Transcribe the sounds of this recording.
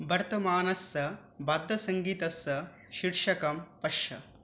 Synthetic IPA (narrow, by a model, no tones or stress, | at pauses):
bʱɐɾt̪ɐmaːnɐsɐ | bɐd̪ʱːɐsɐŋɡiːt̪ɐsɐ | ʃiɾʂɐkɐmpɐʃɐ̰